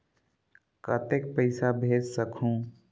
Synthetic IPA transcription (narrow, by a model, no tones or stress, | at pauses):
kət̪ek̚pəɪsabʱeːd͡ʒsəkʰũː